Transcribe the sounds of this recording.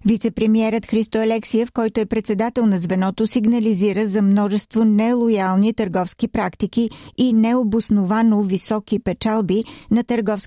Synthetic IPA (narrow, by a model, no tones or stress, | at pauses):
vit̪sɛpɾɛmiɛɾət̪xɾist̪oɐlɛksiɛfkɔjt̪oɛpɾɛt̪sɛd̪at̪ɛlˠnɐzvɛnɔt̪osiɡnəliziɾəzɐmnɔʒɛst̪vonɛlˠojalˠnit̪əɾɡɔfskipɾakt̪ikiːnɛobʊsnʊvanovisɔkipɛt͡ʃalˠbinɐt̪əɾɡɔfs